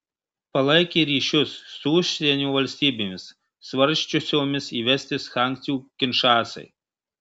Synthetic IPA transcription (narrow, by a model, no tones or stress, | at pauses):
pɐlˠɐɪkʲeːɾʲiːʃʲʊsːuʊʃʲsʲɛnʲuːʋɐlʲsʲt̪ʲiːbʲemʲɪsː | ʋɐɾʲʃʲt͡ʃʲʊsʲoːmʲɪsiːʋʲɛsʲt̪ʲɪsxɑˑŋʲkʲt̪sʲɪjuːkʲɪnʃɑːsɐ̰ɪ